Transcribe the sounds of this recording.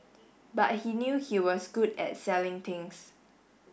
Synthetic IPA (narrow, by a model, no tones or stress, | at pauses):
ba̰t̚hinjuhiwɔsɡudɛ̰t̚sɛlɪ̃ŋt̪ʰɪ̃ŋs